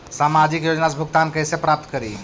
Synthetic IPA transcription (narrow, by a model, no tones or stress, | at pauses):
samad͡ʒikjod͡ʒnasbʱukt̪ankəɦsepɾap̚t̪kəɾḭ